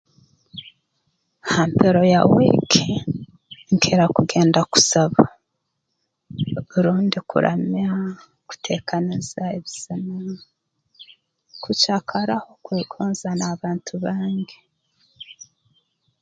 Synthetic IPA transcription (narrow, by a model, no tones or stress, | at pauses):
haːmpeɾo̞jawḭkʰe | ŋkʰe̞ɾakuɡe̞ːndaku̥saβa | βuɾuːndikṵɾʔa̰ma | ku̥tʰe̞ːkʰanizaeβiz̥ina | kucakʰaɾaho̞kweːɡoːnzanaβaːntʰuβaːŋɡe